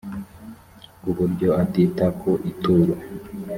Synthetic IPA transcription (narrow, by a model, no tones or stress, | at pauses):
uβuɾɟoatit̪akʰoʔituɾo